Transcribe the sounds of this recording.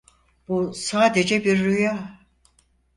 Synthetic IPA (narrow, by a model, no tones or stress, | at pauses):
b̥usaːd̪e̞d͡ʒɛbiɾːyja